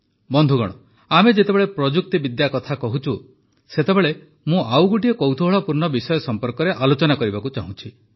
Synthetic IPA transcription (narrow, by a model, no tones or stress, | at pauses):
bɔnd̪ʱuɡɔ̰ɽ̃ɔ̰ | amed͡ʒet̪ebeɭepɾɔd͡ʒuk̚t̪ɔbid̪jakɔt̪ʰakɔɦut͡ʃʰu | set̪ebeɭe | mũʔawɡuʈ̬iekɔwt̪ʰuɦɔɭɔpuɾnɔbisɔjɔsɔmpɔɾkɔɾeʔalot͡ʃɔnakɔɾibakut͡ʃaɦũt͡ʃʰi